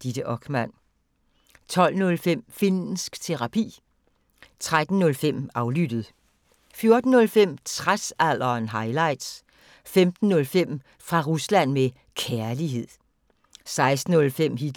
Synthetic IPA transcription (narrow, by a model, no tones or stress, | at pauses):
d̥id̥əʔɒ̽ɡ̥mæn̰ | t͡sʰɒ̽l̰nɔ̽lfem̰finn̩sɡ̥t͡sʰe̝ʁɑ̈pʰḭː | t͡sʰʁad̥n̩ːɔ̽lfem̰ɑ̈ʊlyd̥ð̩ˠ | fjo̝ɐd̥n̩ːɔ̽lfem̰t͡sʰʁasæl̰ɐːnɦɑ̈ɪlɑ̈ɪd̥s | femd̥n̩ːɔ̽lfem̰ | fʁɑ̈ʁuslæn̰me | kʰæɐliɦe̝ð̰ˠ | sɑ̈ɪsd̥n̩ːɔ̽lfem̰hi̥